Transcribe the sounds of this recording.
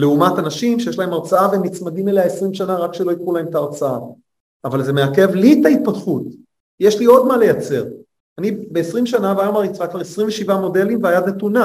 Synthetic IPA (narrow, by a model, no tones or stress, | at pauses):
le̞umat̪anaʃimʃeje̞ʃ̬lae̞maʁt͡saaveemːit͡smadimeleaesʁimʃanaʁakʃelo̞ikχulahemt̪aːʁt͡saaː | valze̞meake̞vlit̪ait̪̚patχut̪ | je̞ʃlio̞d̪male̞jat͡se̞ʁ | anibe̞ːsʁimʃ̬anavajomaʁit͡sʁakvaʁesʁiɱveʃivamo̞de̞limveajadnet̪una